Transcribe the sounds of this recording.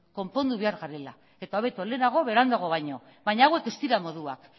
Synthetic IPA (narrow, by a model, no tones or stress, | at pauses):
ko̞mpo̞nd̪uβe̞aɾɣaɾe̞la | e̞t̪aoβe̞t̪ole̞naɣ̞o̞βe̞ɾand̪aɣ̞oβajɲo̞ | βajɲaawe̞ke̞st̪iɾamo̞ðua̰k